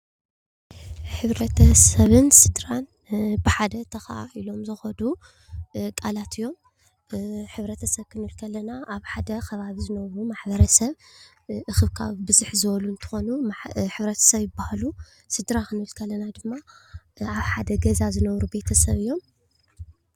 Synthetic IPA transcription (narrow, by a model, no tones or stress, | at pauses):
ħɨβɾɐt̪ʰɐsɐβɨnsɨd̪ɾan | bɨħad̪ɐt̪ʰɐxailo̞mzɨxɐd̪u | kʼalat̪ʰɨjːo̞m | ħɨβɾɐt̪ʰɐsɐβkʰɨnɨlkʰɐlːɐnaʔaβħad̪ɐxʰɐβaβizɨnɐβɾumaħbɐɾɐsɐβ | ʔɨxɨβkʰa̰βbɨzuħzɨβɐlunt̪ʰɨ̥xonuħɨβɾɐt̪ʰɐ̥sɐβjɪbːahalu | sɨd̪ɾakɨnɨlkʰɐlːɐnad̪ɨmːa | aβħad̪ɐɡɐzazɨnɐβɾube̞t̪ʰɐsɐβɨjːo̞m